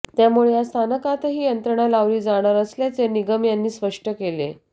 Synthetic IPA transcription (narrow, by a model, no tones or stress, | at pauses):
t̪jamuɭejast̪ʰanəkat̪ɦiːjənt̪ɾəɳalaʋɾiːd͡zaɽ̃aɾəsljat͡seniɡəmjanːiːsʋəʂʈəkelḛ